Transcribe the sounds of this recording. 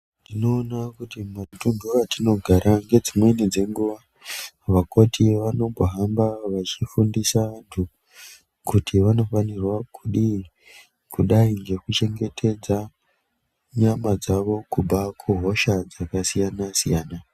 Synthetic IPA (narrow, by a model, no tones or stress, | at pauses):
ntino̞ːnakutimatunduatino̞ɡʱaɾaŋɡe̞d͡zimwe̞nid͡ze̞ŋɡuʋa | ʋako̞tʰiʋano̞mbʱoɦambaʋat͡ʃifundisaʋantʰu | kutʰiʋano̞fanirwakʰuɗi | kuɗaiŋɡe̞kut͡ʃe̞ŋɡe̞tʰe̞d͡za | ɲamad͡zaʋo̞kuɓʱakʰuɦo̞ʃad͡zakasijanasijaːna